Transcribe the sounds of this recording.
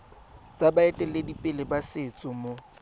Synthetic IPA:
t͡sʼabaɛtʼɛledipʼɪlɪbasɪt͡sʼʊmo

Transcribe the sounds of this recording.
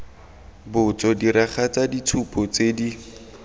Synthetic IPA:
bʊt͡sɔdiɾaχʰat͡saditʰupʰʼɔt͡sedi

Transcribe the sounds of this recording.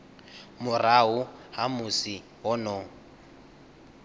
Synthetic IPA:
mʊraɦʊhamʊsi | ɦɔnɔ

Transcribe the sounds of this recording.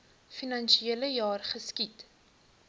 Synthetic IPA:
finɐnʃieələjɑːrχəskit

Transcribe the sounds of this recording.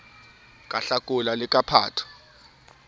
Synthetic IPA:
kʼaɬakʼʊlalɪkʼapʰa̰ːtʰɔ̥

